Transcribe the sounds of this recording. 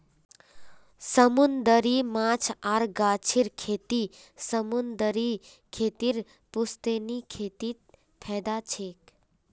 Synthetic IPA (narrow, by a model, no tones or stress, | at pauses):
səmund̪əɾimãːt͡ʃʰaɾɡaːt͡ʃʰiɾkʰeːt̪isəmund̪əɾi | kʰeːt̪iɾ | pust̪enikʰet̪it̪̚ | pʰɛːd̪at͡ʃʰeːk